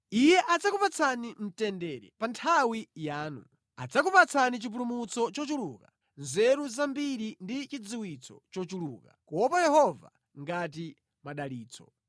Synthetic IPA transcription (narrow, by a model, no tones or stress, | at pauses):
ijɛʔad͡zakupat͡sʰanim̩tɛndɛɾɛ̰pantʰawijaːnṵ | a̰d͡zak̬upat͡sʰanit͡ʃip̬ulumut͡sɔt͡ʃɔt͡ʃuluka | nzɛɾuzambiɾindit͡ʃid͡ziwit͡sʰɔ̰t͡ʃɔt͡ʃuluːkakuwɔpajɛhɔva̰ | ŋɡati | maɗaliːt͡sʰɔ̰